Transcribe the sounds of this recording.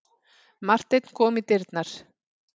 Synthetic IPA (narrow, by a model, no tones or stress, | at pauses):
mar̥t̪ejt̪n̥kʰɔːmit̪ɪɾt̪naɾ̥